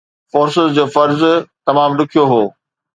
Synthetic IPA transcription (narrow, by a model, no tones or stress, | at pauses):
foːɾsɪzd͡ʑoːfɐɾzt̪ɐmaːmɗʊkʰijoɦoː